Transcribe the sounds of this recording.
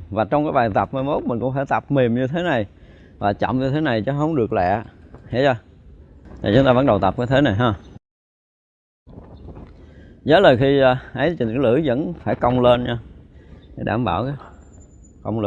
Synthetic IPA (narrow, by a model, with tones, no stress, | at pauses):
vaː˨˩t͡ɕɔ˧wŋ͡mkaː˨˦jɓaː˨˩jt̪a˨˩p̚ma˧jmo˦˥t̚mï˨˩ŋ̟kʊ̰˧˥ŋ͡mfaː˧˩jt̪a˨˩p̚mi˨˩əmɲɨ˧t̪ʰe˨˦na˨˩j | vaː˨˩t͡ɕɔ̰˧˨wŋ͡mɲɨ˧e˨˦na˨˩jt͡ɕɔ˨˦ɦə˧wŋ͡mɗɨ˨˩ək̚lɛ̰˧˨hḭ˧˥za˧ | t̪ʰi˨˩t͡ɕʊ˨˦ŋ͡mt̪aː˧və˧˥n̚ɗə˨˩wt̪a˨˩p̚kaː˨˦t̪ʰe˨˦na˨˩jɦaː˧ | zə˨˦ləː˨˩jxi˧ʔə˨˦jt͡ɕi˨˩˨lɨ̰˧˩˦jvə̰˧˥nfaː˧˩jkə˧wŋ͡mle˧nɲaː˧ka˧˦jɗa̰ː˧˩mɓaː˧˩wkː | kə˧wŋ͡mə˧